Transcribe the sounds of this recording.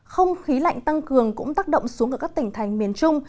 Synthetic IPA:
xə˧wŋ͡mxi˨˦la̰˧˨jŋ̟t̪a˧ŋkɨ˨˩əŋkʊ̰˧˥ŋ͡mt̪aː˦˥k̚ɗə̰˧˨wŋ͡msu˨˦ŋkːaː˧˩kaː˦˥k̚t̪i˧˩ŋ̟t̪ʰa˨˩jŋ̟mi˨˩ənt͡ɕʊ˧ŋ͡m

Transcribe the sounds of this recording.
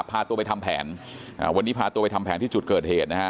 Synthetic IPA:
pʰaː˧t̪u˧ɐpa˧jt̪ʰa˧mpʰɛ̰ː˩˦nʔa̰ː˨˩wa˧nːiː˦˥pʰaː˧t̪u˧pa˧jt̪ʰa˧mpʰɛː˩˦nt̪ʰiː˥˩t͡ɕu˨˩t̪̚kɤː˨˩heː˨˩t̪̚na˦˥kʰa˦˥

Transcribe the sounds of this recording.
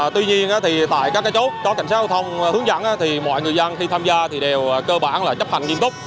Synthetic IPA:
t̪wi˧ɲi˧ənʔaː˨˦t̪ʰi˨˩t̪a̰ː˧˨jkaː˦˥kːaː˨˦jt͡ɕo˦˥t̚kɔ˨˦ka˧˩jŋaː˦˥ɔ˧˩wt̪ʰə˧wŋ͡mhɨ˨˦əŋza̰˧˩nʔaː˨˦t̪ʰi˨˩mɔ̰˧˨jŋɨ˨˩əjzə˧nxi˧t̪ʰaː˧mzaː˧t̪ʰi˨˩ɗe˨˩wkəː˧ɓaː˧˩nlaː˨˩t͡ɕə˦˥p̚ha̰˧˨ŋɲi˧əmt̪o˦˥k͡p̚

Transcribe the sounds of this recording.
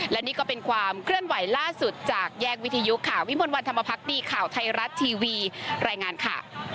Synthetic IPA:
lɛ˦˥niː˥˩kɔː˥˩pe˧nkʰwaː˧mkʰɾɯ˥˩ənwa˩˦jlaː˥˩su˨˩t̪̚t͡ɕaː˨˩k̚jɛː˥˩k̚wi˦˥t̪ʰa˧ju˦˥kʰːaː˧˩wi˦˥mu˧nwa˧nt̪ʰa˧ma˧pʰa˦˥k̚diː˧kʰaː˨˩wt̪ʰa˧jɾa˦˥t̪ʰːiː˧wiː˧ɾaː˧jŋaː˧nkʰa̰˥˩

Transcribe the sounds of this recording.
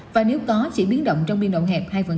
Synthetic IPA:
vaː˨˩ne˨˦wk̪ɔ˨˦t͡ɕḭ˧˥ɓi˨˦ənɗə̰˧˨wŋ͡mt͡ɕɔ˧wŋ͡mɓḭ˧˩ənɗə̰˧˨wŋ͡mɦɛ˨˩p̚haː˧jvə˨˩

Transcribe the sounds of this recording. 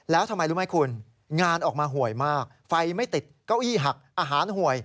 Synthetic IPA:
lɛː˦˥wt̪ʰa˧mːa˧jlu˦˥ma˦˥jkʰu˧n | ŋaː˧nʔɔː˨˩k̚maː˧ɦu˨˩əjmaː˥˩k̚fa˧jma˥˩jt̪i˨˩t̪̚kaː˥˩wʔiː˥˩ɦa˨˩k̚ʔaː˧ɦaː˩˦nhu˨˩əj

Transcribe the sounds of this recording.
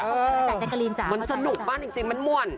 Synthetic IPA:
ɤː˧˨˧aː˨˩a˦˥˩ka˧liː˧nt͡ɕa˨˩ma˧nsa˧nu˨˩k̚baː˥˩nt͡ɕi˨˩ŋt͡ɕi˧ŋma˧nmu˨˩ə˩n

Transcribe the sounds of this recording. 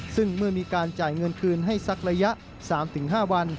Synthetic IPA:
sɯ˥˩ŋmɯ˥˩ɐmiː˧kaː˧nt͡ɕaː˨˩jŋɤ˧nkʰɯː˧nɦa˥˩jsa˦˥k̚ɾa˧ja˦˥ʔ | saː˩˦mt̪ʰɯ˩˦ŋɦaː˥˩wa˧n

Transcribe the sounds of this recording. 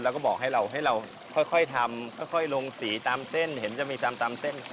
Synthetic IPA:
lɛː˧˦˥wkɔ˥˩bɔː˨˩k̚ɦa˥˩jɾa˧wɦa˥˩jɾa˧w | kʰɔ˥˩jkʰɔ˥˩jt̪ʰa˧mkʰɔ˥˩jkʰɔ˥˩jlo˧ŋsiː˩˦t̪aː˧mt̪e˥˩nhe˩˦nt͡ɕa˨˩miː˧t̪a˧mt̪aː˧mt̪e˥˩n

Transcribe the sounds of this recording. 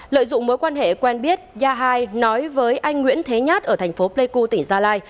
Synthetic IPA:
lə̰ː˧˨jzʊ̰˧˨ŋ͡mmoː˨˦jkwaː˧nhḛ˧˨kwɛ˧nɓi˦˥ət̚zaː˧ɦaː˧jnɔ˨˦jvəː˨˦jʔa˧jŋ̟ŋwḭ˧˥ənt̪ʰe˨˦ɲaː˦˥t̚ʔəː˧˩t̪ʰjŋ̟fo˨˦ple˧ku˧t̪i˧˩ŋzaː˧laː˧j

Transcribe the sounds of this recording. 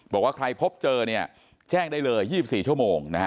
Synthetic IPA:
bɔː˨˩k̚waː˥˩kʰɾa˧jpʰo˦˥p̚t͡ɕɤː˧ni˥˩ɐ | t͡ɕɛː˥˩ŋdaː˥˩jlɤː˧jːiː˥˩si˨˩p̚siː˨˩t͡ɕʰu˥˩əmoː˧ŋna˦˥˦

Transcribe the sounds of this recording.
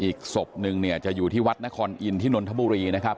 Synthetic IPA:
ʔiː˨˩k̚so˨˩p̚nɯ˧ŋni˥˩ɐt͡ɕa˨˩ʔjuː˨˩t̪ʰiː˥˩wa˦˥t̪̚na˦˥kʰɔː˧nʔi˧nt̪ʰiː˥˩no˧nt̪ʰa˦˥buː˧ɾiː˧na˦˥kʰa˦˥p̚

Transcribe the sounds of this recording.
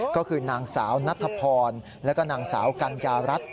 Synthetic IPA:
kɔː˥˩kʰɯː˧naː˧ŋsaː˩˦wna˦˥t̪ʰːa˧pʰɔː˧n | lɛː˦˥kɔː˥˩naː˨˧ŋsa̰ː˩˦wka˧njaː˧ɾa˦˥t̪̚

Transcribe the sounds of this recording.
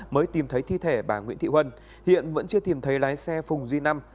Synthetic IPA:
məː˨˦jt̪i˨˩mt̪ʰə˨˦jt̪ʰi˧t̪ʰe˧˩ɓaː˧˩ŋwḭ˧˥ənt̪ḭ˧˨hwə˧n | hḭ˧˨ənvə̰˧˥nt͡ɕɨ˧ət̪i˨˩mt̪ʰə˨˦jlaː˨˦jsɛ˧fʊ˨˩ŋ͡mzwi˧na˧m

